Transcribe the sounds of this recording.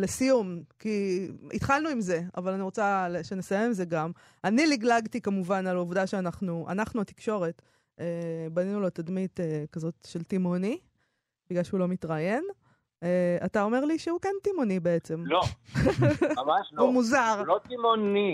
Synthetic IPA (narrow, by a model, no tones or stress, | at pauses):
le̞sijumkiḭt̪χalnuimze̞a̰valaniʁo̞t͡salʃenesaje̞mze̞ɡam | aniliɡlaɡtikamuvanalovdaʃeanaχnuʔa̰naχnuati̥kʃo̞ʁe̞t | ebaninulo̞t̪ad̪mit̪ekazo̞tʃe̞ltimoni | biɡlalʃeulo̞mitʁaje̞n | eatao̞me̞ʁliʃeukentimonibe̞et͡se̞mlo | mamaʃlumuzaʁlot̪imoni